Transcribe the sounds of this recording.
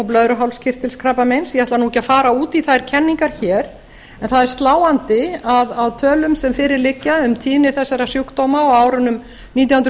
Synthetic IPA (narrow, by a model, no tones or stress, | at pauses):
awplœðɾʏɦawlscʰɪr̥t̪ɪlskʰɾaːpamejnsjɛaht̪laɾnuːcaðfaːɾauːt̪iθaðɛɾ̥cʰɛnːiŋkaɾ̥çɛːɾ̥ | ɛnθaðɛɾ̥st̪laːwant̪ɪaðawt̪ʰœːlʏmsɛmfɪːɾɪɾlɪcːaʏmt̪ʰiːnɪθɛsːaɾasjukt̪owmaɔwaːwɾʏnʏm | niːt̪jawhʏnɾ